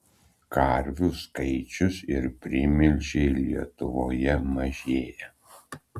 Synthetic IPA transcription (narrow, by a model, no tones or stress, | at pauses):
kɐɾʲʋʲʊskɐɪt͡ʃʲʊsɪɾpʲɾʲɪmʲɪlʲʒʲɛɪlʲiɛt̪ʊʋoːjɛmɐʒʲeːjɛ